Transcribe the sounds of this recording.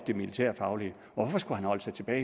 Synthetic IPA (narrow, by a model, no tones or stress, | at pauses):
d̥e̝milit͡sʰæɐ̰fɑ̈ʊli | ɒʋɒfɒ̽sɡ̥uhænhɒ̽l̰əsɑ̈ɪt͡sʰe̝b̥ɛː